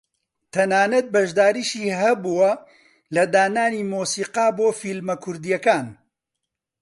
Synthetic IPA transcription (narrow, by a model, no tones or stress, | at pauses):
t̪ʰɐnaːnɐt̪̚bɐʒd̪aːɾiːʃiːɦɐbuwɐ | lɐd̪aːnaːniːmoːsiːqaːboːfilmɐkʰʊɾd̪ijɐkaːn